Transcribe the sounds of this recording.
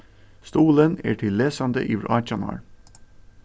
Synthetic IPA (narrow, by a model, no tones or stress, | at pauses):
st̪uːlənæ̰ːʈʰɪlːeːsɑnd̪ə̰ʔḭːʋɾʔɑːt͡ʃɑnɑ̰ːɹ